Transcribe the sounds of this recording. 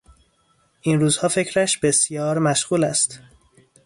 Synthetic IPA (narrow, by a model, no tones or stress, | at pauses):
ʔinruːzhɒːfe̞cʰɾæʃbe̞sjɒːɾmæʃɣ̥uːlæst̪